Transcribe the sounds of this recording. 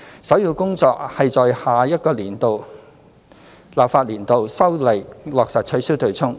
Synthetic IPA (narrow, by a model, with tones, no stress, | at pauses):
sɐ˨˥wjiː˧wkʊ˥ŋt͡sɔː˧k̚hɐ˨jt͡sɔː˨jhaː˨jɐ˥t̚kɔː˧liː˨˩nt̪o˨w | laː˨p̚faː˧t̚liː˨˩nt̪o˨wsɐ˥wlɐ˨˩jlɔː˨k̚sɐ˨t̚t͡ʃʰɵ˨˥ɥsiː˥wt̪ʰɵ˨˩t͡sʰʊ˥ŋ